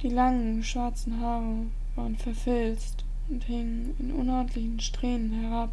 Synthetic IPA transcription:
d̥iːlaŋən | ʃv̥aɐt͡sn̩ɦaːʁə | vaːʁənfɛɐfɛlst | ʊnthɪŋən | ɪnʔʊ̰nɔɐtlɪçn̩ʃtʁ̥eːnənhɛʁap

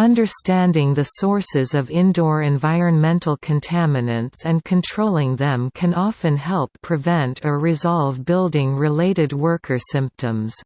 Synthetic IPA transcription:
ʌ̃ndə˞stæ̃ndɪ̃ŋðɨsɔɹsɪzʌvɪ̃ndɔɹɨ̃ɱvaɪɹɨ̃nmɛ̃ntl̩ˠkʰɨ̃ntʰæmɨnɨ̃ntsɨ̃nkʰɨ̃ntʰɹ̥oʊlˠɪ̃ŋðɨ̃mkʰɨ̃nɑfɨ̃nɦɛlˠpʰɹ̥ɨvɛ̃ntʰɨɹɪzɑlˠvbɪlˠdɪ̃ŋɹɪleɪɾɨd̚wɜ˞kʰə˞sɪ̃mp̚tʰə̃mz̥

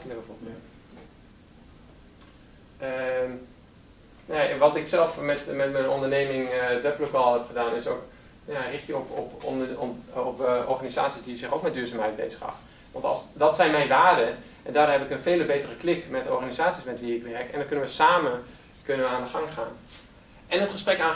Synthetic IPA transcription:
nəbəvoɹbɪlt | ə | naaʔʋɑtɪksɛlˠfmɛtmɛtmənɔndəɹnejmɪŋdɛplokalˠɦɛpχədaːnɪso̰wk | njarɪχtjəɔpɔp | pʔɔɹχaniza̰ːtsisdiəzɪχowk̚mɛtdyːɹzaːmɦɛjt̚bḛjzəχɑ̰χ | ʋɑ̰ntˠsdɑtsɛjnmɛjnʋaːɹdə | ʔɛndaːdoɦɛpɪkənveːləbejtərəklɪkmɛtɔ̰ɹχanizaːtsismɛtʋiɪkʋɛrkɛ̰ndɔnkɵnənʋəsaːmən | kønənʋəaːndəχɑŋχa̰ːn | ʔɛnətχəsprɛkaː

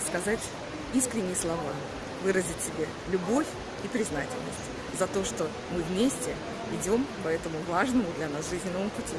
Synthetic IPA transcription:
skɐzatʲ | iskɾʲɪnʲːɪjəslˠɐva | vɨɾəzʲɪtʲsʲɪbʲe | lʲʊbo̞fʲ | ipɾʲɪznatʲɪ̰lʲnə̰sʲtʲ | zɐt̪o̞ʂt̪o̞ | mɨvmʲesʲtʲɪ | ɪdʲo̞mpɐɛt̪əmʊvaʐnəmʊd̪lʲɐnasʐɨzʲnʲɪnəmpʊtʲi

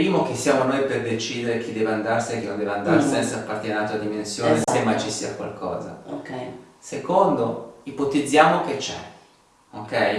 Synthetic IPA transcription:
pɾiːmok̟esːjaːmonojperd̪et͡ʃiːd̪eɾek̟id̪ɛːveand̪arsiek̟ːenõnd̪ɛːveand̪aɾsɛnt̪sapːart̪jenat̪oad̪imensjoːnesemːajt͡ʃisiːakwa̰lkʰɔ̰ːza̰okɛ | sekond̪oipot̪id̪zːjaːmok̟et͡ʃːɛ̰ | okɛj

